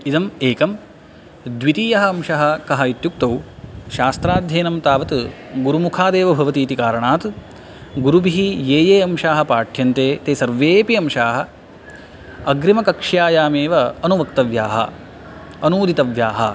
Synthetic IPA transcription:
id̪ɐmeːkɐm | d̪ʋit̪iːjɐɦɐɐmʃɐɦɐ̆kɐɦɐit̪juk̚t̪ɐwʃaːst̪ɾaːd̪ʱjeːnɐmt̪aːʋɐt̪ɡuɾumukʰaːd̪eːʋɐbʱɐʋɐt̪iːt̪ikaːɾɐɳaːt̪ | ɡuɾubiɦijeːjeːɐmʃaːɦɐpaːʈʰjɐnt̪eːt̪eːsɐɾʋeːpiɐmʃaːɦɐ̆ | ɐɡɾimɐkɐkʂjaːjaːmeːʋɐɐnuʋɐkt̪ɐʋjaːɦɐ̰ | ɐnuːd̪it̪ɐʋjaːɦɐ̰

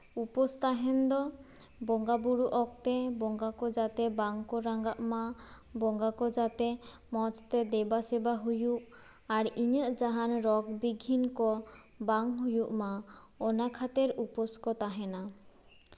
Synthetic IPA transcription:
upɔst̪aɦɛnd̪ɔ | bɔŋɡabuɽuʔɔk̚t̪ɛbɔŋɡakɔd͡ʒat̪ɛbaŋkɔɾaŋɡaʔma | bɔŋɡakɔd͡ʒat̪ɛ | mɔt͡ʃt̪ɛd̪ɛbasɛbaɦujuʔ | aɾiɲəʔd͡ʒaɦanɾɔɡbiɡʱːinkɔ | baŋɦujuʔma | ɔnakʰat̪eɾupɔskɔt̪aɦɛna

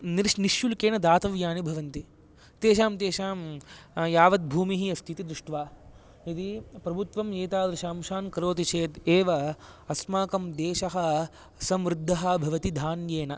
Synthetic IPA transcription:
niɾʂniʃjulkeːnɐd̪aːt̪ɐʋjaːnibʱɐʋɐnt̪i | t̪eːʃaːmt̪eːʃaːmjaːʋɐt̪̚bʱuːmiɦiɐst̪it̪id̪ɾuʂʈʋaː | it̪ipɾɐbʱut̪ʋɐmjeːt̪aːd̪ɾɐʃaːmʃaːnkɐɾoːt̪it͡ʃʰeːd̪eːʋɐ | ɐsmaːkɐmd̪eːʃɐɦɐ | sɐmɾɪd̪ʱːɐɦɐ̆bʱɐʋɐt̪id̪ʱaːnjeːnɐ

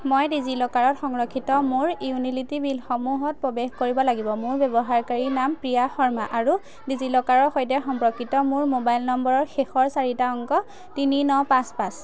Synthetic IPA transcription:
mojdizilɔkaɹɔtxɔŋɹɔkʰːitɔmʊɹiunilitibilxɔmuɦɔt̚pɔbexkoɹibɔlaɡibɔmʊɹbɛbɔɦaɹkaɹinampɹijaxɔɹmaʔaɹu | dizilɔkaɹɔɹxɔjtɛxɔmpɹɔkʰːitɔmʊɹmobajlnɔmbɔɹɔɹxexɔɹsaɹitaɔŋkɔ | tininɔpãspãs

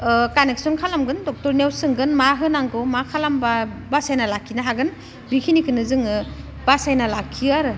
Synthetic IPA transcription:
kanek̚sɔnkʰalamɡɯndɔk̚tɔɾnewsɯŋɡɯnmaɦɯnaŋɡɔmakʰalambabasajnalakʰːinaɦaɡɯn | bikʰinikʰɯnɯzɯŋɯ | b̥asajnalakʰːiaɾɯ

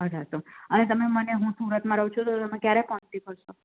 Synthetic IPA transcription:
ɦəɾasomənet̪əmeməneɦũsuɾət̪mãɾəɦwt͡ʃʰot̪ot̪əmẽkjaɾekɔɳt̪ipəɾʃo

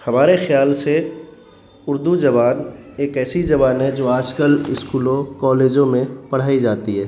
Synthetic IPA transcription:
hɐmaːɾexjaːlse | ʊɾd̪ud͡ʒɐʋaːneːkɛːsid͡ʒɐbaːnɦɛd͡ʒoːaːd͡ʒkəlɪskuːlõkɔːleːd͡ʒõmẽpɐɽ̤aːid͡ʒaːt̪iɦɛː

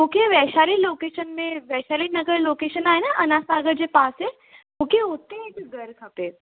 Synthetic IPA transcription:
mokeʋɛːʃaːliloːkeːʃənmẽʋɛʃalinɐɡəɾloːkeːʃənaːɦenaʔɐnasaːɡəɾd͡ʑepaːse | mukeot̪ːẽet̪ɡəɾkʰapeː

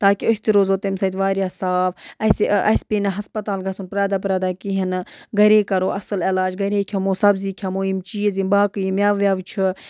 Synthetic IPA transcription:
t̪aːkiost̪iɾoːzoːt̪emsɐt̪ʲʋaːɾʲjaːsaːfɐsɐ̰spiːnɐɦɐspɐt̪aːlɡɐsunpɾaːd̪aːp̬ɾaːd̪aːkiɦɐnɡɐɾeːkɐɾoːʔɐsɨlelaːd͡ʒɡɐɾekʲʰɐmoːsɐbziːkʰɐmoːimt͡ʃiːzimbaːkɨjimʲaːʋjaːʋt͡ʃʰɨ

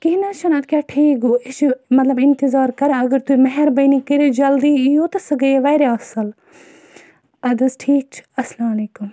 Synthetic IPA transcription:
kinat͡ʃʰɐnɐt̪kʲjaːʈʰiːkoɪt͡ʃmɐt̪lɐbɪ̃nt̪ɪzaːɾkɐɾaɐɡəɾt̪uimɐɦɛɾbɐjnikiɾed͡ʒɐld̪iːijoːt̪ɐsɐɡɐeʋɐːɾeɐsəl | ɐd̪ɐsʈʰiːk̚t͡ʃʰɐslaːmɐleːkum

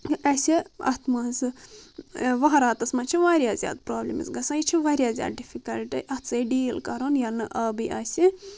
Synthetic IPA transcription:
ʔɐsʲiɐ̰t̪ʰmɐzɨ | ʋɐɦɐɾaːt̪ɐsmɐːt͡ʃʰiʋaːɾʲjaːzʲja̰ːd̪pɾoːblʲḭmḭsɡɐsãːjit͡ʃʰiʋɐɾʲjaːzʲja̰ːd̪̚ɖifʰikɐlʈiʔɐt̪t͡sɐɖiːlkɐɾonjɐnɨʔɐbiʔɐsʲi

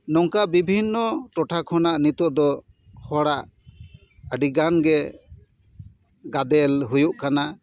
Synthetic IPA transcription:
nɔŋkabibʱinːɔʈɔʈʰakʰɔnaʔnit̪ɔʔd̪ɔ | hɔɽaʔ | əɖiɡanɡɛ | ɡad̪ɛlɦujuʔkana

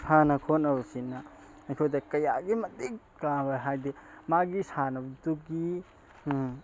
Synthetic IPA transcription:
sʰanɐkʰonɐbsinːɐ | ɐjkʰojdɐkɐjaɡimɐtik | kabaɦajdimaɡisanɐbduɡi

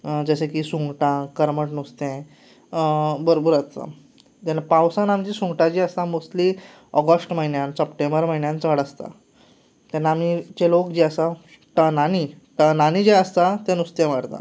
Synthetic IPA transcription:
d͡zəsẽkisũŋɡʈãkəɾməʈnust̪ẽ | bəɾobəɾat͡sa̰ | t̪anːapãwsãnamt͡ɕisũŋɡʈãd͡ʑiəst̪ãmosli | ɔɡəsʈməɦinjãnsəpʈẽmbəɾməɦinjãnt͡saɽəst̪a̰ | t̪anːamit͡ɕelokd͡ʑeəsa | ʈənani | ʈ̪ənañid͡ʑeəst̪at̪ɛ̃nust̪ẽʋəɽt̪ã̰

